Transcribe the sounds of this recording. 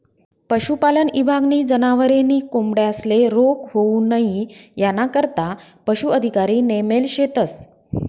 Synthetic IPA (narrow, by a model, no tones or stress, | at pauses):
pəɕupalənibʱaɡniːd͡zənaʋəɾeniːkomɽeəsleɾokɦouːnaɦijanakəɾt̪apəɕuəd̪ʱikaɾiːnemelɕet̪əs